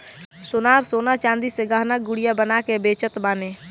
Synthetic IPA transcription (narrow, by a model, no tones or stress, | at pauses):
sʊnaːɾsoːnat͡ʃãːnd̪iseɡaːɦnaɡʊɽijabənakebeːt͡ʃət̪baːneː